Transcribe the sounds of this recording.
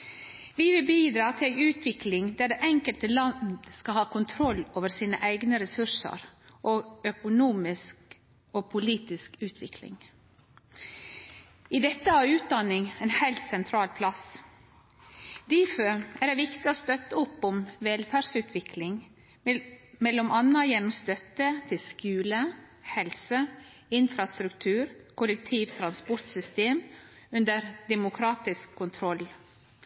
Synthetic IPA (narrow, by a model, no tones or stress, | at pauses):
ʋɪʋɪlbiːd̪ɾɑːt̪ʰɪlæɪʉːt̪ʰʋɪklɪŋd̪æɖeːʔɛŋkəlt̪əlɑnd̪skɑlhɑːkʰʊnt̪ʰɾɔlːoːʋəɾsiːnə̰ʔæɪɡnəɾɛsʉʂə̰ɾʔoːœkʊnuːmɪsk | oːpʰʊliːt̪ɪskʉːt̪ʰʋɪklɪ̰ŋ | id̪ɛt̪ːəɑʉːt̪̚d̪ɑnɪŋɛːnhæɪlt̪sɛnt̪ʰɾɑːlpʰlɑs | d̪̥ɪføæːɖɛʋɪkt̪ɪoːst̪œt̪ːəʊpːɔmʋɛːlfæːɾsʉːt̪ʰʋɪkʰlɪŋ | mɛlːɔmʔɑnəjɛnɔmst̪œt̪ət̪ʰɪlskʉːlə | hɛlsə | ɪnfɾɑst̪ɾʉkt̪ʰʉːɾkʰʊlɛk̚t̪ʰiːʋt̪ʰɾɑnspɔɾt̪sʏst̪eːm | ʉnd̪əɾd̪ɛmʊkʰɾɑːt̪ɪskʰːʊnt̪ʰɾɔl